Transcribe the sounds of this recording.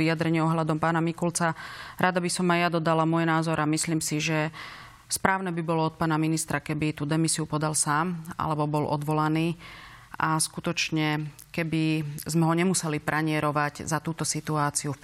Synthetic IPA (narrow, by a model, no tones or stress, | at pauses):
ijad̪ɾɛɲɪɛɔɦʎad̪ɔmpaːnamikult͡saɾʔad̪abisɔmːajad̪ɔd̪alamʊɔjnaːzɔɾamisliːmsiʒɛ | spɾaːʊnɛːbibɔlɔɔt̪̚paːnaminist̪ɾakɛbit̪uːd̪ɛmisiupɔd̪alsaːma̰lɛbɔbɔlʔɔ̰d̪ʋɔlaniːʔaskut̪ɔt͡ʃɲɛ | kɛbizmɛɦɔɲɛmusɛlipɾʔaɲɪɛɾɔʋaɟzat̪uːt̪ɔsit̪uaːt͡siu